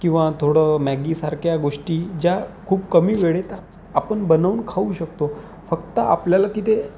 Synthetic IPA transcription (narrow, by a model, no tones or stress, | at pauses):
kĩw̃ʋat̪ʰoɽəmæɡisaɾkʰjaɡoʂʈiːd͡ʑjakʰuːbkəmiːʋeɭet̪aː | pəɳbənaʋunkʰauɕək̚t̪o | fəkt̪əapljalat̪it̪ʰe